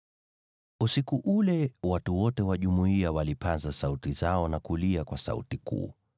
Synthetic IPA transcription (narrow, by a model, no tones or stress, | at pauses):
usikuʔulɛwatuwɔtɛwaʄumuiawalipʰanzasautizaɔnakuliakwasa̰ṵtikṵː